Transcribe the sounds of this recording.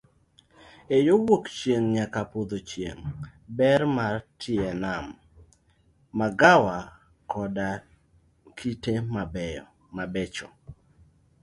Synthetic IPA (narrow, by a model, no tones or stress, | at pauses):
ejowokt͡ʃjeŋɲakapod̪ot͡ʃjḛŋbɛrmartʰɪɛnam | aɡawa | kɔda | kʰitemabɛɔ̰ | mabet͡ʃɔ̰